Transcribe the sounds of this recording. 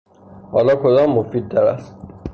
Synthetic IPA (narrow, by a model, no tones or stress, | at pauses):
hɒ̰ːlɒːkʰod̪ɒːmːofiːd̪̚ːɒɾæ̰st̪